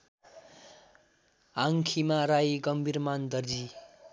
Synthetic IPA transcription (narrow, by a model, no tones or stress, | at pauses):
aŋkʰimaɾajɡʌmbʱirmand̪ʌrd͡zi